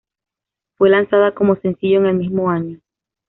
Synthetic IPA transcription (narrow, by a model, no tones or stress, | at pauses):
fwe̞lansaðako̞mo̞se̞nsiʝo̞eŋe̞lmizmo̞aɲo